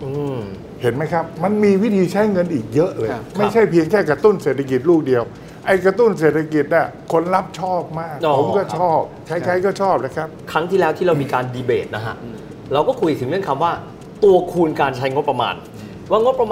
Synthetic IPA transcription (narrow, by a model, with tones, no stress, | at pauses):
ʔɯː˧ | he˩˦nma˦˥jkʰa˦˥p̚ma˧nmiː˧wi˦˥t̪ʰiː˧t͡ɕʰa˦˥jŋɤ˧nʔiː˨˩k̚jɤ˦˥ʔlɤː˧jma˥˩jjt͡ɕʰa˥˩jpʰi˧əŋkʰɛː˥˩kɾa˧t̪u˥˩nseː˨˩t̪ʰːa˧k̬i˨˩t̪̚luː˥˩k̚di˧əw | ʔa˧jkɾa˧t̪u˥˩ns̬eː˨˩t̪ʰːa˧ki˨˩t̪̚ni˥˩kʰo˧nɾa˦˥p̚t͡ɕʰɔː˥˩p̚maː˥˩k̚ːpʰo˨˦mkɔː˥˩t͡ɕʰɔː˥˩p̚kʰa˦˥jkʰa˦˥jkɔː˥˩t͡ɕʰɔː˥˩p̚na˦˩kʰɾa˦˥p̚kʰɾa˦˥ŋt̪ʰiː˥˩lɛ˦˥wt̪ʰiː˥ɾa˧wmiː˧kaː˧ndiː˧beː˨˩t̪̚na˦˥kʰa̰˧˩ʔ | ɾa˧wkɔː˥˩kʰu˧jt̪ʰɯ˩˦ŋnɯ˥ə˨nkʰa˧mwaː˥˩ | t̪u˧ɐkʰuː˧nkaː˧nt͡ɕʰa˦˥jŋo˦˥t̚p̚ːɾa˧ma̰ː˧n | waː˥˩ŋo˦˥t̚pɾa˧mː˧